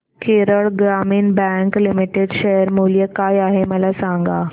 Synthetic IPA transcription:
kʰeːɾəɭɡɾaːmiːnbɛ̃ːŋklɪmɪʈeɖʃɐjəɾmulijəkaːjaːɦemɐ̃lasãːŋɡaː

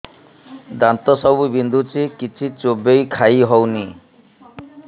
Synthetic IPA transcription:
d̪ant̪ɔsɔbubind̪ʱut͡ʃʰikit͡ʃʰit͡ʃobejkʰajɦɔwni

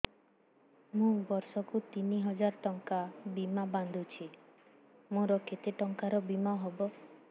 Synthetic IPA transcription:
mũbɔɾsɔkut̪iniɦɔd͡ʒaɾʈɔŋkabimaband̪ʱut͡ʃʰi | mõɾɔket̪eʈɔŋkaɾɔbimaɦɔbɔ

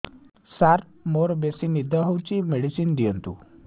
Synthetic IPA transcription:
saɾ | moɾbesinid̪əɦɔwt͡ɕimeɽisind̪ijənt̪ṵ

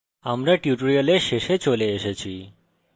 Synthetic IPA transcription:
amɾaʈjuʈoɾioleɾʃeʃet͡ɕoleeʃet͡ɕʰi

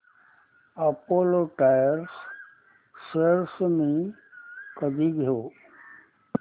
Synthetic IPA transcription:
ɐpoːloʈajəɾs | seɾsmĩ | kəd̪iɡʱɦoː

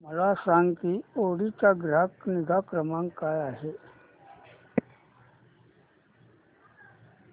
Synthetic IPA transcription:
məlasaŋk̪ioɽit͡ɕaɡɾakniɡʱakɾəmãŋkajaɦe

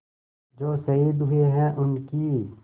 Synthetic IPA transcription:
d͡ʒoːsɐiːd̪ɦʊeɦɛ̃ʔʊnki

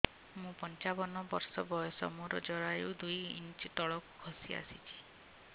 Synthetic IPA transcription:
mũpɔnt͡ʃabɔnɔbɔɾsɔbɔɔsɔ̰muɾɔd͡ʒɔɾajṵd̪ujḭnt͡ʃt̪ɔɭɔku̥ɡʰʱɔsia̰sit͡ʃʰi̥

